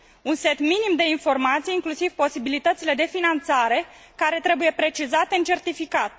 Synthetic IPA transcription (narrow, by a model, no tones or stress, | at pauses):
unse̞t̪minimd̪e̞info̞rmat̪sijiŋklusiv̥po̞sibilit̪ət̪sile̞d̪e̞finant̪saɾe̞kaɾe̞t̪ɾe̞buje̞pɾe̞t͡ʃizat̪eɨnt͡ʃe̞rt̪ifikat̪̚